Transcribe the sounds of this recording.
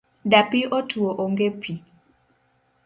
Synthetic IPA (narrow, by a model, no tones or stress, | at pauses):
dapiʔotʰuoʔoŋɡepʰi